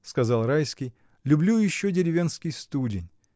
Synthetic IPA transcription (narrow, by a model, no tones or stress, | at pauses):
skɐzɑlˠɾajskʲɪj | lʲʊblʲujɪɕːodʲɪɾʲɪvʲe̞nskʲɪjst̪udʲɪnʲ